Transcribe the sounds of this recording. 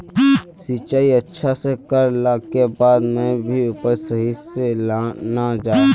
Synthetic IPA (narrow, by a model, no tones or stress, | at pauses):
sit͡ʃaːiɐtːʃʰasekəɾlakebaːd̪mẽbʱiʊpəɾsəɦiselnad͡ʒaː